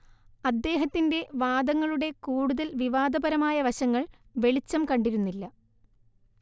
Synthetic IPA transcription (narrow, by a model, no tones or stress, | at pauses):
ɐd̪ːe̞ːɦɐt̪ːinde̞ʋaːd̪ɐŋːɐɭuɽe̞kuːɽuðɐlʋiʋaːd̪ɐbɐɾɐmaːjɐʋɐɕɐŋːɐɭ | ʋe̞ɭit͡ɕːɐmkɐɳɖiɾunːilːɐ